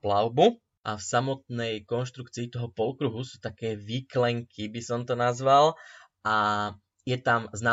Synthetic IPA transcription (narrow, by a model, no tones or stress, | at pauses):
plaʊbu | ʔafsamɔt̪̚nɛjkɔnʃt̪ɾukt͡siːt̪ɔɦɔpɔlkɾuɦusuːt̪akɛːʋiklɛŋkʰibisɔmt̪ɔnazʋal | ʔa | jɛt̪amznaː